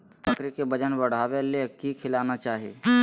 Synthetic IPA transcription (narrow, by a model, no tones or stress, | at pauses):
pʰɐkɾikebɐd͡ʒənbɐɽ̤aːʋelekikʰɪlaːnat͡ʃaːɦiḛ